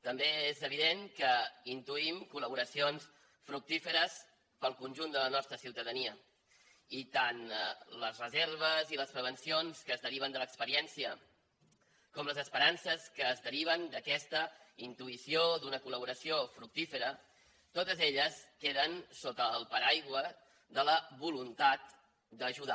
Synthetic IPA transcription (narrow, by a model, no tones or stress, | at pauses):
t̪əmbeezəβ̞iðeŋkəint̪uimkuləβuɾəsions | fɾuk̚t̪ifəɾəs | pəlˠkunʲʒund̪ələnɔst̪ɾəsiwt̪əðəniə | it̪anləzrəzeɾβ̞əziləspɾəβ̞ənsionskəːzðəɾiβ̞ənd̪ələkspəɾiɛnsiə | kɔmləzəspəɾansəskəːzðəɾiβ̞ənd̪əkɛst̪əint̪uisiod̪unəkuləβ̞uɾəsiofɾuk̚t̪ifəɾə | t̪ot̪əzeʎəskeðənsot̪əlˠpəɾajɣwə | ðələβulunt̪at̪ | d̪əʒuða